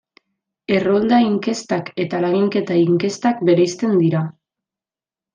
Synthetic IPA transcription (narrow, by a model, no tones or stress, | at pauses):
e̞ro̞ld̪aiŋke̞st̪ake̞t̪alaɣiŋke̞t̪aiŋke̞st̪akbe̞ɾejst̪e̞nd̪iɾa